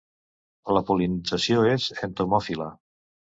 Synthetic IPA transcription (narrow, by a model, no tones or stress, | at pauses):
ləpulinid͡zəsioezent̪omɔfilə